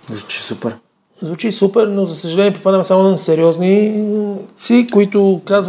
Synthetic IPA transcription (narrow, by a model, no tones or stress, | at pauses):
zvut͡ʃi̥supɛɾ | zvut͡ʃisupɛɾnozɐsəʒɐlɛniɛpopad̪əmɛsamonsɛɾiɔzni | t̪sikoit̪ʊkaz